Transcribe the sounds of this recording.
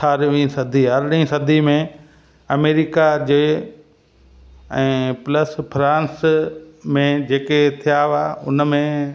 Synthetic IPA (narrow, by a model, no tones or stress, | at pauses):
tʰaːɾʋĩsɐd̪ʱiɦɐɾɗĩsɐd̪ʱimẽ | ɐmeːɾɪkad͡ʑeː | ɛ̃ːpləspɾãːns | mẽd͡ʑeːket̪ʰijaʋaːʊ̰nmẽ